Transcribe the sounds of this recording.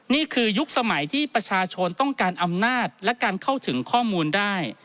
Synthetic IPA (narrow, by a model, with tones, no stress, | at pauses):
niː˥˩kʰɯː˧ju˦˥k̚sa˧ma˩˦jt̪ʰiː˥˩pɾa˧t͡ɕʰaː˧t͡ɕʰo˧nt̪ɔ˥˩ŋkaː˧nʔa˧mnaː˥˩t̪̚lɛ˦˥kaː˧nkʰa˥˩wt̪ʰɯ˩˦ŋkʰɔː˥˩muː˧ndaː˥˩j